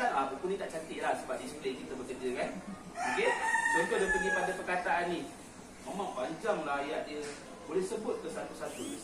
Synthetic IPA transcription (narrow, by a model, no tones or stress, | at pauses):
anapəkunit̪aʔt͡ʃant̪ɪʔlahsəbap̚dismilekit̪əbəkəd͡ʒəkan | okedənt̪odəŋpəɡipadapərkat̪aʔanːi | memãŋpaɲd͡ʒaŋməlajaʔ̚diə | bolɛhsəbʊt̪̚kəsanpəsat̪un